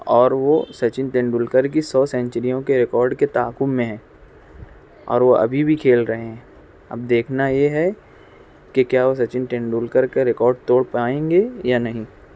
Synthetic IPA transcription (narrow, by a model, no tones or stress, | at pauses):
ɔːɾʋosɐt͡ʃɪnʈẽːɳɖuːlkəɾk̬isɔːsɛ̃ɲt͡ʃəɾijõkeɾɪkɔːɾɖket̪aːkʊmmẽɦɛ̃ː | ɔ̰ːɾʋoʔɐ̰bʱibʱikʰeːlɾɐɦeɦɛ̃ː | ɐ̰b̚d̪eːkʰnajeɦɛ | kekjaːʋos̬ɐt͡ʃɪnʈẽːɳɖuːlkəɾkeɾɪkɔːɾɖ̚t̪oːɽpaːẽːŋɡejanɐɦĩ